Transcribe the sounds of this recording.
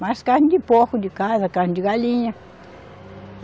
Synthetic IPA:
maskand̪ʲipohud̪ʲikaðakand̪ʲiɣaliɲã

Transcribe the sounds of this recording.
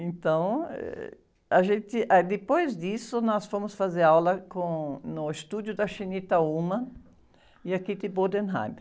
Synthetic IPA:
ẽnt̪ɐ̃w̃ɛ̰ | aʒẽnt̪ɪʔad̪epojzd̪isʊnɔsfõmʊsfazeɾawlɐkõnʊest̪ud̪jʊd̪ɐʃinit̪ɐumɐ̃ | iakid̪ɪbod̪ẽnɦã̰jm

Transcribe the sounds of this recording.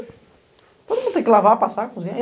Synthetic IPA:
t̪od̪ʊmũd̪t̪ẽkʲɪlavapasakuzĩɲe

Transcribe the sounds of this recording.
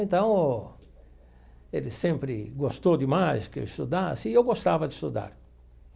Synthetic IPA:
ẽnt̪ɐ̃w̃ | elɪsẽmpɾɪ̰ɡost̪od̪ɪmajskḛwist̪ud̪asɪewɡost̪avɐd̪ɪst̪ud̪a̰ɾ

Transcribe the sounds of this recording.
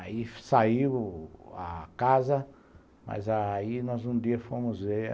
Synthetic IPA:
aisaiwa̰kazɐ | ma̰zainɔzũd̪iɐfõmʊze

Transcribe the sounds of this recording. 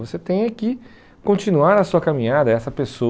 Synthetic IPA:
voset̪ẽj̃ɐki | kõt͡ʃĩnuaɾɐsuɐkamĩɲad̪ɐɛsɐpeso

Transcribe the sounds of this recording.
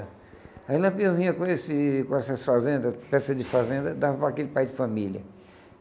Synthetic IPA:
ailɐ̃pĩɐ̃vĩɲɐkõesɪkõɛsɐsfazẽnd̪ɐpɛsɐd͡ʒɪfazẽnd̪ɐd̪avɐpɾakelɪpajd͡ʒɪfɐ̃miljɐ̰

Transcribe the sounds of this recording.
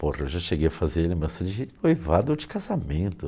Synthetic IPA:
porɐewʒaʃeɡejɐfazeɾlebɾɐ̃sɐd͡ʒɪnojvad̪od͡ʒɪkazamẽnt̪ʊ

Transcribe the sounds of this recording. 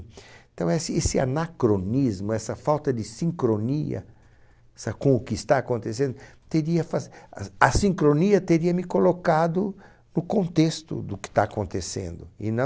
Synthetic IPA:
t̪ɐ̃w̃ɛsɪesɪa̰nakɾonizmʊɛsɐfawt̪ɐd̪ɪsĩŋkɾoniɐ̰ | ɛsɐkõʊkɪst̪aːkõnt̪esẽnd̪ʊ | t̪eɾiɐfazɐsĩŋkɾoniɐt̪eɾiɐmɪkolokad̪ʊ | nʊkõnt̪est̪ʊ̰d̪ʊkɪ̥t̪aakõnt̪esḛ̃nd̪ʊɪ̰nɐ̃

